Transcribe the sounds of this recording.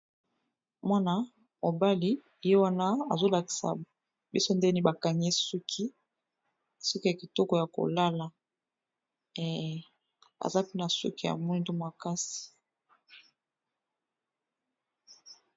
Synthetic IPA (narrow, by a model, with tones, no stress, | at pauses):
mwa˦na˦ | mo˨ba˦li˦˨ | je˦wa˦na˦a̰˨zo˦la˨ki̥˨sa̰˨ | bi˦so˦nde˦ni˦ba˨ka˨ɲe˦su˦kʰi˦ | sɔ˦ki˦ja˨ki˨tɔ˦kɔ˨ja˨ko̰˨la˦la˨ | a̰˨za˦pe˦na˨sṵ˦ki˦ja̰˨mu˦i˦do˦ma˨ka˦si̥˨